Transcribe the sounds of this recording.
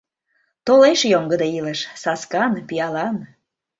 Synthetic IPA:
t̪oleʃjoŋɡəd̪eiləʃsɑskɑnpiɑlɑn

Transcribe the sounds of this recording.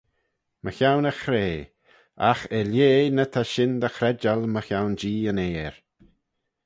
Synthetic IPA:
məxawnəxɾeː | axɛljeːnət̪ʰaʃɪnd̪əxɾɛd͡ʒalməxjawnd͡ʒiːəneːɹ

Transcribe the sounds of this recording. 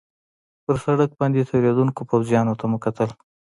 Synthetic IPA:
pəɾsaɽak̚bɑnd̪et̪ʰaɾɑd̪unkopawzjɑnot̪aməkat̪əl

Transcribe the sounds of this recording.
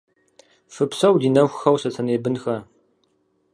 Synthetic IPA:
fɨpsɐwdiːnɐxʷxɐwsɐt͡sʰɐneːbɨnxɐ

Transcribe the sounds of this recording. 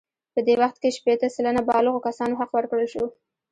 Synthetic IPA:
pəd̪ewaxt̪̚keʃpet̪əsalənabɑləɣokasɑnoɦaqwəɾkɽəlʃo

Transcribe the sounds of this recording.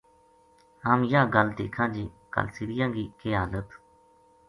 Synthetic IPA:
hamjãːɡəld̪ḛːkʰãːd͡ʒiːkə̰lsɪɾɪjãːɡiːkeːɦaːlət̪

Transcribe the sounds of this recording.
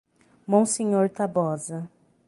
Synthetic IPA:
mõw̃sẽɲoɾt̪abɔzɐ

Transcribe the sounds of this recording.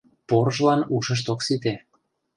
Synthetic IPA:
poɾəʒlɑnuʃə̆ʃ̬t̪oksit̪̬e

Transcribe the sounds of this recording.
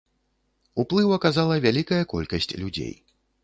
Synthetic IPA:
uplˠɨwɐkazalˠɐvʲalʲikɐjɐkɔ̰lʲkɐsʲt͡sʲlʲud͡zʲḛj

